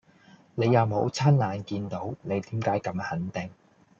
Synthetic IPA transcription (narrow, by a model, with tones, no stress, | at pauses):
ne˨˧jɐ˨˧wmo˨˧˥wt͡sʰaː˥nlaː˨˧nkiː˧nt̪o˨˥wne˨˧jt̪iː˨˥mkaː˨˥jkɐ˨˧˥mhɐ˨˥nt̪ɪ˨ŋ